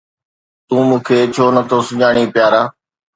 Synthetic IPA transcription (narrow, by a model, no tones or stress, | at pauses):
t̪ũːmũːkʰeːt͡ʃʰoːnət̪ʰoːsʊʄaːɳ̃iːpjaːɾaː